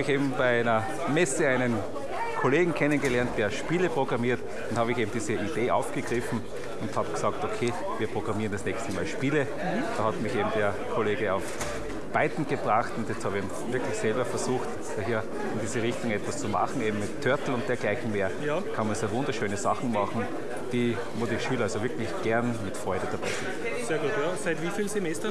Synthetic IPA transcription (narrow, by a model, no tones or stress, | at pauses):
bɪçeːbm̩b̥æɪæɪnɐ | mɛsəaɪnən | kʰoleːɡŋ̩kʰɛnənɡəlɛɐnt̚d̥eːɐʃpiːləpʁ̥oɡ̥ʁamiːɐt | d̥anhɑːbɪçeːbm̩d̥iːzəid̥eːʔa̰ʊfɡ̥əɡ̥ʁɪfn̩ | ʊnthaːbɡ̥sɑːk̚tokʰeː | viːɐpʁ̥oɡ̥ʁamiːʁəndɛsnɛçstəma̰ːlʃpiːlə | d̥ɑːhatmɪçeːbm̩d̥eːɐkʰoleːɡəaʊf | b̥aɪtn̩ɡ̥əb̥ʁaχtʊntjɛt͡sthɑːbəeːm̩vɪɐklɪçsɛlbɐfɛɐzuːxt | j̥ɑːhiːɐ | ɪndiːzəʁɪçtʊŋɛtvɐst͡sumɑ̰χn̩eːbm̩mɪtʰːœɐtl̩ʊnt̚d̥eːɐɡ̥laɪçn̩meːɐjkʰɑnmɐnseːɐvʊ̃ndɐʃøːnəsɑχn̩mɑχn̩ | d̥iː | moːdiʃyːlɐasovɪɐklɪçɡ̥ɛɐnmɪtfʁ̥ɔʏdəd̥ab̥aɪsɪ̃nt | seːɐɡuːtjasaɪtviːfiːlzemɛstɐ